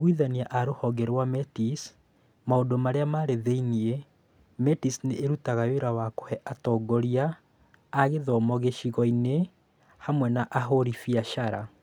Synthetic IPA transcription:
ɣwiðaniaʔaɾohɔɡɛɾwamɛtis | maodomaɾeamaːɾeðeinie | mɛtisneʔːɾutaɣajoɾawako̥hɛʔatɔːɡɔɾiaː | ɣeðɔmɔɣeʃiɣɔine | hamwɛnaʔaɦoɾifiaʃaɾa

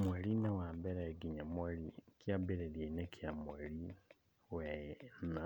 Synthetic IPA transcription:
mweɾinewaːmbɛɾaeɡiɲamweɾikjabeɾeɾjeinekʰjamweɾi | wejena

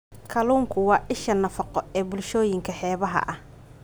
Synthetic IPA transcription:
kʰɐluːŋkʰʊwɑːʔɪʃɐnɐfɐqɔɛːbʊlʃɔːjɪŋkʰɐħɛːβɐɦɐ̰ʔɐh

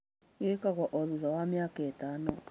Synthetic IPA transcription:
ɣekaɣɔʔɔðuzawamjakeːtaːnɔ

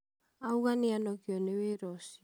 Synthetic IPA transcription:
auɣaneanɔkiɔneweɾɔsi

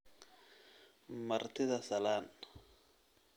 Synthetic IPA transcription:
maɾt̪ʰɪðasalan

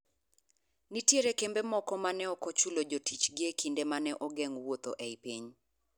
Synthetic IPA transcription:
nitjeɾekembemɔkɔmanɛɔkɔt͡ʃulod͡ʒotit͡ʃɡekindemanɛʔɔɡɛŋwot̪oʔɛipiɲ

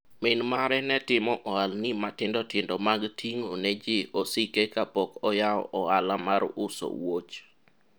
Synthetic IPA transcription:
mɪnmaɾɛnɛtɪmɔʔɔalnimatɪndɔtɪndɔmaɡtʰiŋonɛd͡ʒɪɔsikekapɔkɔjaɔ̰ʔɔalamaɾʊso̰wot͡ʃ

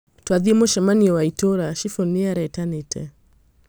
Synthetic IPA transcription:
twaðimoʃɛmaniɔwaitoɾaʃifɔniaɾɛtanetʰɛ̰

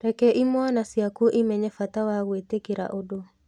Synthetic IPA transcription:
ɾɛkɛʔimwanasjakuʔimɛɲɛfatawaɣwetekeɾa̰ʔodo

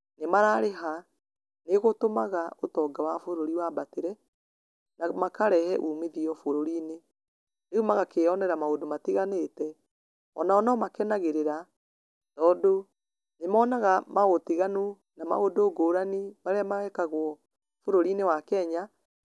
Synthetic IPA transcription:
nemaɾaɾeɦa | neɣotomaɣaotɔɡawafoɾoɾiwaːbateɾɛ | namakaɾɛhɛʔuːmeðiɔfoɾoɾiːne | neumaɣakeɔnɛɾamaodomatiɣanetɛ | ɔ̰naɔnɔmakɛnaɣeɾeɾa | tɔːdo | nemɔːnaɣamaɣotiɣanu | nama̰odoːɡoːɾanimaɾeamaɛkaɣwɔ | foɾoɾinewakɛɲa

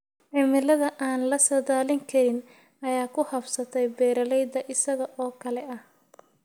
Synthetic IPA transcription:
ʕɪmɪlɐðɐʔaːnlɐsɐðaːlɪŋkʰɐɾɪn | ɐjaːkʰʊhɐbsɐt̪ʰɛjbɛːɾɐlɛjd̪ɐʔɪsɐɣɐʔɔːkʰɐlɛʔɐh

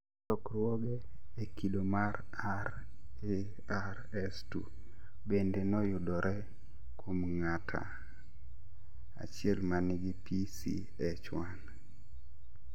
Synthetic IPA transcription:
tɔkrwɔɡeekidomaɾ | aɾ | e | aɾ | ɛstṵ | bendenɔjʊdɔɾʔɛ | kʰomŋatʰa̰ | a̰t͡ʃɪɛlmanɪɡipʰisḭ | ɛt͡ʃwan

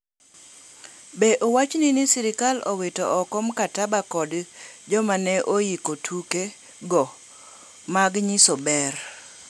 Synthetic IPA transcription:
beʔowat͡ʃninɪsiɾɪkalowetoɔkɔmkatabakɔdd͡ʒɔmanɛʔojikotʰuke | ɡɔ | maɡɲisɔbɛr

